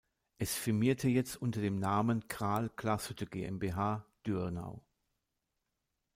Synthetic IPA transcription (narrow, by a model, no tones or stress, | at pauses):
ʔɛsfɪɐmiːɐtʰəjɛt͡stʔʊntɐdeːmnaːmənkʰʁ̥aɐlkl̥asədəɡeːʔɛ̰mbeːɦaːd̥yna̰ʊ